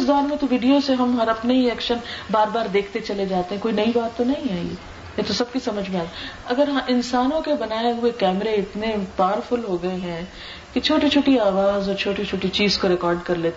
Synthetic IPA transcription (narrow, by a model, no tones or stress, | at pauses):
sd̪aːɾmẽt̪oʋiːɖijoseɦɐmɦɐɾɐpneɦiɛːkʃənbaːɾbaːɾd̪eːkʰt̪et͡ʃɐled͡ʒaːt̪eɦɛ̃koːinɐibaːt̪ːonɐɦĩaːḭḛ | jet̪osɐb̚kisɐməd͡ʒʱmẽaːɐɡəɾɦɐʔɪnsaːnõkebɐnaːeɦʊekɛːmɾeɪt̪nepaːɾfʊlɦoɡɐeɦɛ̃ː | ket͡ʃʰoːʈit͡ʃʰoːʈiaːʋaːzɔːɾt͡ʃʰoːʈit͡ʃʰoːʈit͡ʃiːzkoɾɪkɔːɾɖkɐɾleːt̪e